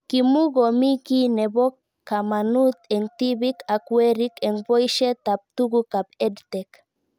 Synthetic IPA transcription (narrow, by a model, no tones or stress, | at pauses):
kimuɣomikinebokː | amanut̪eŋt̪iβikakweɾikeŋbojʃet̪ap̚t̪uɡukapedt̪ek